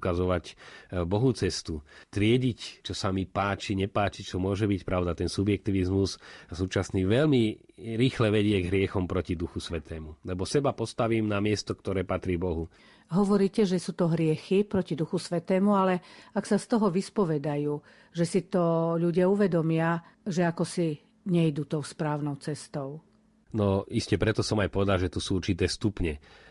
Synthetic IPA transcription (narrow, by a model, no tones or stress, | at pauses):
kazɔʋacbɔɦut͡sɛst̪ut̪ɾɪɛɟict͡ʃɔsamipaːt͡ʃiɲɛpaːt͡ʃit͡ʃɔmʊɔʒɛbicpɾaʊd̪at̪ɛnsubjɛk̚t̪iːʋizmussuːt͡ʃasniːʋɛʎmiɾiːxlɛʋɛɟɪɛɡɦɾɪɛxɔmpɾɔcid̪uxusʋɛt̪ʰɛːmulɛbɔsɛbapɔst̪aʋiːmnamɪɛst̪ɔkt̪ɔɾɛːpat̪ɾiːbɔɦu | ɦɔʋɔɾiːcɛʒɛsuːt̪ɔɦɾɪɛxipɾɔcid̪uxusʋɛt̪ɛːmualɛaksast̪ɔɦɔʋispɔʋɛd̪ajuː | ʒɛsit̪ɔʎuɟɪauʋɛd̪ɔmɪaʒɛakɔsi | ɲɛjd̪uːt̪ɔʊspɾaːʊnɔʊt͡sɛst̪ɔʊ | nɔiscɛpɾɛt̪ɔsɔmajpɔʋɛd̪alʒɛt̪usuːuɾt͡ʃit̪ɛːst̪upɲɛ